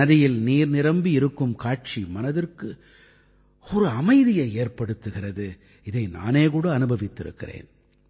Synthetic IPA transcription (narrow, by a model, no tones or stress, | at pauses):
ɐðɪjɪlniːɾnɪɾɐmbiɪɾɯkːɯmkaːʈ̚t͡ʃimɐnɐðɪrkɯ | ɔɾɯɐmɐɪðɪjɐɪeːrpɐɽɯt̪ːɯɣɪrɐðɯ | ɪðɐɪna̰ːneːk̬uːɽɐːnɯbɐʋɪt̪ːɪɾɯ̰kːɪ̰rḛːn